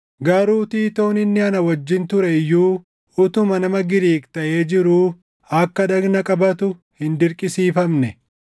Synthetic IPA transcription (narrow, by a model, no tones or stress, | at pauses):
ɡɐɾuːt̪iːt̪o̞ːnɪnːɪɐnɐwɐd͡ʒːɪnt̪ʊɾɛjːuː | ʊt̪ʊmɐnɐmɐɡɪɾiːkt̪ɐʔe̞ːd͡ʒɪɾuː | ɐkːɐᶑɐɡnɐkʼɐbɐt̪ʊ | hɪnd̪ɪɾkʼɪsiːfɐmnɛ